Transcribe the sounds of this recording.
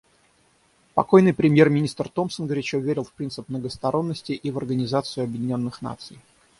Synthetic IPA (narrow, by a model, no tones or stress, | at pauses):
pɐ̰ko̞jnɨjpɾʲɪmʲjermʲɪnʲist̪rt̪o̞msənɡəɾʲɪt͡ɕovʲeɾʲɪlˠfpɾʲint̪sɨpmnəɡəst̪ɐɾo̞nːəsʲtʲɪʔivɐrɡənʲɪzat̪sɨʊɐbʲjɪdʲɪnʲo̞nːɨxna̰t̪sɨj